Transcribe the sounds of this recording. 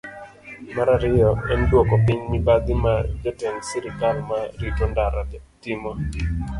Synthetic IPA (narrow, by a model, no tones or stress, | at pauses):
maɾaɾɪjɔɛndwɔkɔpɪɲmɪbad̪ɪmad͡ʒɔtɛŋsiɾɪkalmaɾitondaɾatɪmɔ